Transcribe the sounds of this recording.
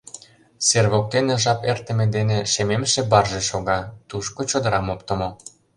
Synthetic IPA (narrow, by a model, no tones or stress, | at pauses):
serβok̚t̪eneʒɑpert̪ə̆mĕd̪eneʃememʃĕbɑrʒeʃoɣɑt̪uʃkot͡ɕod̪ɤ̆ɾɑmop̚t̪ə̆mo